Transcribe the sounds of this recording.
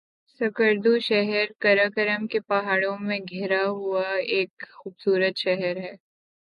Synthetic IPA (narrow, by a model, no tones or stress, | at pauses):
sɐkəɾd̪uʃɛɦɛɾkɐɾakəɾəmkepaɦaːɽõmẽɡʱɛːɾaɦuaeːkxuːbsuːɾət̪ʃɛɦəɾɦɛː